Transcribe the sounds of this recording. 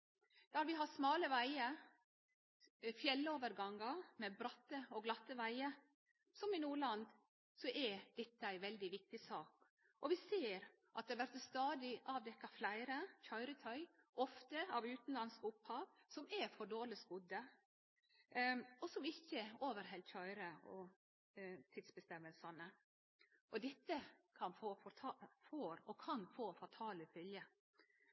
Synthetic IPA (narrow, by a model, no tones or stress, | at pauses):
d̪̥ɑɾʋɪɦɑsmɑːləʋæɪə | fjɛlːoːʋəɾɡɑŋːəmɛbɾɑt̪ːəɔɡlɑt̪ːəʋæɪə | sɔmɪnuːɭɑnd̪ | sɔʔɛɾd̪̥ɛt̪ːəæɪʋɛld̪ɪʋɪk̚t̪ɪsɑːk | ʔɔʋɪseːɾ | ʔɑt̪̚d̪ɛːɾʋæɾt̪ːst̪ɑːd̪ɪʔɑʋd̪ɛkːɑflæɪɾəçœʏɾət̪ʰœʏʔɔft̪əɑʋʉːt̪n̩lɑnskʊphɑːʋsɔmæɾfɔɖoːɾɭɪsɡʊd̪ə | ɔsɔmɪçːəoːʋəɾɦɛlçœʏɾəɔ | t̪ʰɪd̪sbəst̪ɛmːəlsɑnə | ʔɔd̪ɛt̪ːəkʰɑnfoːfɔt̪ʰɑfoːɾɔkʰɑnfoːfɑt̪ʰɑːləfʏljə